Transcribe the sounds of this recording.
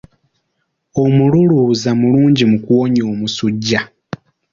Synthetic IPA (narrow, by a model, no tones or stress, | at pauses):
o̞mululuzamuluːɲɟimukuwoɲo̞ːmusuɟːa